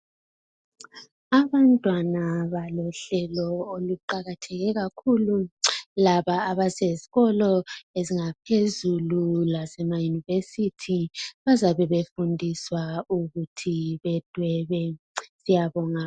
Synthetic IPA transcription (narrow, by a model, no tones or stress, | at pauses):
aβantʼwanaβalɔɬɛlɔoluǃaɣatʰɛɣɛɣakʰululaβaːβaseziɣɔlɔeziŋapʰezululasɛmajunivesitʰiβazaβɛβefundʱiswauɣutʰiβɛd̥ʱwɛβɛ | sijaβɔŋa